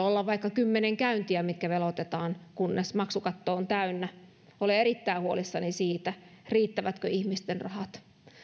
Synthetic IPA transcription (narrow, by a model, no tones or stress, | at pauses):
olːɑʋʋɑikːɑkymːeneŋkæynt̪iæmit̪kæʋelot̪et̪ɑːnkunːesmɑksukɑt̪ːoːnt̪æynːæ | olieɾit̪ːæiuolisːɑnisiːt̪æriːt̪ːæʋæt̪køihmist̪enrɑ̰hɑt̪